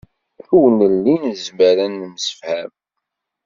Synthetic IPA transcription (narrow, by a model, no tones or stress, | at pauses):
θuwnəlːinzmæɾænːəməsə̥fhæm